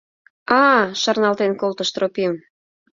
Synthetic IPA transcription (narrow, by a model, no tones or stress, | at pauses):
ɑʃɑrnɑlt̪enkolt̪əʃt̪ropim